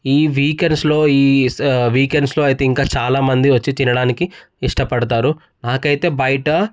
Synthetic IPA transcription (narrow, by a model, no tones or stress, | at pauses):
iːʋiːkeɳɖslo̞ːiːʋiːkeɳɖslo̞ːɐjit̪e̞ːiŋkaːt͡ʃaːlaːmɐnd̪iʋɐt͡ʃːit͡ʃinɐɽaːniki | iʂʈɐpɐɽɐt̪aːɾu | naːkɐjt̪e̞ːbɐjiʈɐ